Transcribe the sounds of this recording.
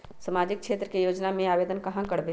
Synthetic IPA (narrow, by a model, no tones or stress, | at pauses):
səmaːd͡ʒɪk̚kʃʰeːt̪ɾəkejoːd͡ʒnamẽaːʋeːd̪ənkɐɦãkɐɽbe